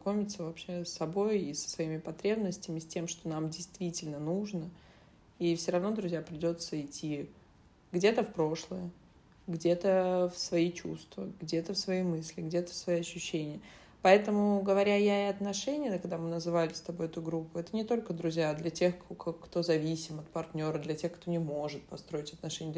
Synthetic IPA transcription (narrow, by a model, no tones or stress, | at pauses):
nɐko̞mʲɪt̪səvɐpɕesːɐbo̞jisə̥svɐimʲɪpɐt̪ɾʲebnəsʲtʲɪmʲɪsʲtʲe̞mʂt̪o̞namdʲɪjst̪vʲitʲɪlʲnənuʐnə | ifsʲoɾɐvno̞d̪ɾʊzʲjapɾʲɪdʲo̞t̪səɪtʲːi | ɡdʲe̞t̪əfpɾo̞ʂlˠəjə | ɡdʲe̞t̪əfsvɐit͡ɕṵst̪vəɡdʲe̞t̪əfsvɐijmɨsʲlʲɪɡdʲe̞t̪ə̥fsvɐjiɐɕːʉɕːenʲɪjə | pɐɛt̪əmʊɡəvɐɾʲajaɪɐt̪nɐʂɛnʲɪjəkɐɡd̪amɨnəzɨvalʲɪst̪ɐbo̞jɛt̪ʊɡɾupːʊɛt̪ənʲɪt̪o̞lʲkəd̪ɾʊzʲjaːd̪lʲɐtʲe̞xt̪o̞zɐvʲisʲɪmɐt̪̚pɐrtʲnʲo̞ɾəd̪lʲɐtʲe̞xkt̪o̞nʲɪmo̞ʐɨt̪̚pɐst̪ɾo̞ɪtʲɐt̪nɐʂɛnʲɪə